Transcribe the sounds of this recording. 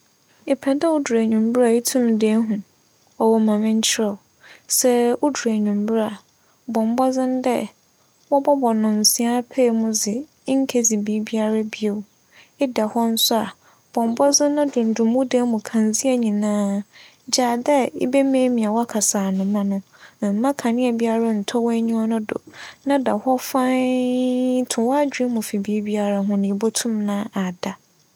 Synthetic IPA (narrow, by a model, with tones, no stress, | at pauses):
ɪ˨pʰɛ˨dɛ˦ʊ˦du˨ɾa˨ɲũ˨mbɾa˨ɪ˦tʰũ˦mde˦ɦũ˨ | ɔ˨wɔ˨mã˨mɪ̃˦ɲ̩˦t͡ɕʰɪ˦ɾɔ˨ | sɛ˦ʊ˦du˨ɾa˨ɲũ˨mbɾa˨ | bɔ̃˨m˨˦bɔ˦d͡zɪ̃˦ndɛ̰˦ | wɔ˦bɔ˦bɔ˨nʊ̃˨n̩˨sĩ˦a˦pʰe˦˨mʊ̃˦d͡zɪ˨˦ | ŋ̩˦kʰe˦d͡zi˨bi˦bi˦a˦ɾa˦bi˦o˨ | ɪ˦da˨hɔ˦n̩˦sʊ˦a˨ | b̥ɔ̃˨m˨bɔ˦zʊ̃˦nã˦dʊ̃˨n̩˨dʊ̃˨mũ˦de˦mʊ̃˨kʰã˨nzi˦ɛ˨ɲĩ˨nãː˦ | d͡ʑaː˨dɛ˦ɪ̰˦be˦mẽ˦mĩ˨a˨wa˦kʰa˨saː˨nʊ̃˨mã˦nʊ̃˦˨ | m̩˨mã˦kʰã˨nɪ̃˦ɛ˨bi˦a˦ɾa˦n̩˨tʰɔ˦wɔ˦ɲũ˦ɔ˦nʊ̃˦dʊ̰˨nã˦da˨hɔ˦fã˦ | tʰʊ̃˨wɔ˦a˦d͡ʑᶣe˦mʊ̃˨fi˨biː˦bi˦a˦ɾa˦ɦʊ̃˦nɪ̃˨bo˦tʰʊ̃˦mnãː˦a˨da˨